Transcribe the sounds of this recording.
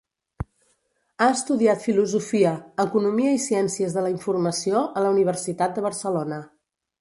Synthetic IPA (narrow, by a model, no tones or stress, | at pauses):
aəst̪uðiat̪filuzufiəəkunumiəisiɛnsiəzðələiɱfurməsioʔələuniβ̞ərsit̪at̪̚d̪əβ̞ərsəlonə